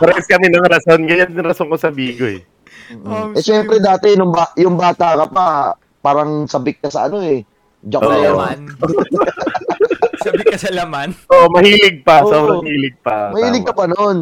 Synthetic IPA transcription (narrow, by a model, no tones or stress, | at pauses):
pɾɛskɐmɛnɐŋɾɐso̞nɡɐjand̪ɪŋɾɐsoŋkosɐbiːɡoɛ | ʔɛʃɛmpɾɛd̪aːt̪ɛnʊŋbajʊŋbaːt̪akɐpa | paːɾɐŋsɐbɪk̚ːɐsɐɐ̰no̞ɛ | d͡ʒɐklomn | sɐbɪkːɐsɐlɐmanʔoʔmɐhiːlɪɡ̚pɐomɐiːlɪɡ̚pɐmɐhiːlɪɡ̚kːɐpɐnon